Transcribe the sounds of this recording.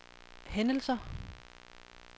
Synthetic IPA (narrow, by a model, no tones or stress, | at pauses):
henəl̩sɐ